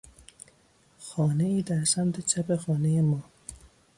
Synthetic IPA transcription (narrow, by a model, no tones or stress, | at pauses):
xɒːneiːd̪æɾsæmt̪ʰet͡ʃʰæpexɒːnejemɒː